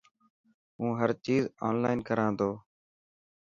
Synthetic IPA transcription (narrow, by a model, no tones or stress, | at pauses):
ũːɦəɾt͡ʃiːzaːnlaːɪnkəɾãːd̪oː